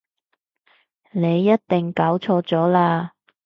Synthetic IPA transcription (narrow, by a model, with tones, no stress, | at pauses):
ne˨˧jːɐ˥t̚t̪ɪ˨˩ŋkaː˨˥wt͡sʰɔː˧t͡sɔː˨˥laː˧